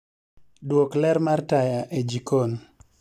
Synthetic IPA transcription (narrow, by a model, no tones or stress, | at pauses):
dwoklɛɾmartajaʔed͡ʒikon